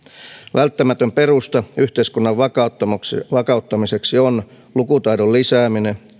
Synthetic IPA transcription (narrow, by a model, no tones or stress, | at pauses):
ʋʔælt̪ːæmæt̪ømpe̞rust̪ɑyht̪eiskunːɑʋʋɑ | ʋɑkɑut̪ːɑmise̞ksion | lukut̪ɑjdollisæːmine